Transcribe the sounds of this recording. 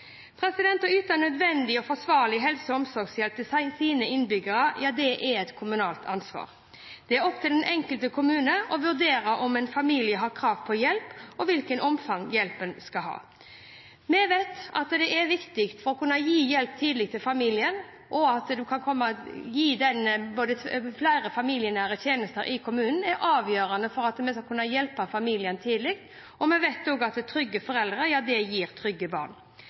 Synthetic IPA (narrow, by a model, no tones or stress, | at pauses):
pʰɾɛsɪd̪ɛnt̪ɑyːt̪ɑnœd̪ʋɛnd̪ɪɔfɔʂʋɑːɾlɪɦɛlsəɔmsɔɾɡsjɛlp̚t̪ʰɪsɪsiːnəɪnbʏɡəɾəjʔɑːd̪ɛʔɛɛt̪kʰʊmʉnɑːlt̪ʰɑnsʋɑ̰ːɾ | d̪̥ɛæɾɔpt̪ʰɪld̪ɛnʔɛŋkəlt̪əkʰʊmʉːnəʔɔʋʉɾd̪eːɾəʔɔmɛnfɑmiːlɪəɦɑɾkʰɾɑːʋpʰɔjɛlpɔʋɪlkənʔɔmfɑŋjɛlpənskɑɦɑ̰ː | mɛʋet̪ɑ̰t̪d̪ɛʔɛɾʋɪkt̪ɪkt̪fɔɾɔkʰʉnːɑjiːjɛlp̚t̪ʰiːd̪lɪk̚t̪ʰɪlfɑmiːlɪən | ʔɔɑt̪d̪ʉkʰɑnkʰɔmːəjiːd̪ɛnəboːd̪əflæɪɾəfɑmilɪənæːɾət̪ʰjeːnəst̪əɾʔɪkʰʊmʉːnn̩æɾʔɑːʋjøːɾɑnəfɔɾɑt̪mɛskɑkʰʉnːəjɛlpəfɑmiːlɪənt̪ʰiːd̪əlɪkt̪ | ʔɔmɛʋɛɪt̪d̪ɔɡɑt̪t̪ʰɾʏɡːəfɔɾɛld̪ɾəjɑːd̪ɛjiːɾt̪ʰɾʏɡəbɑ̰ʁn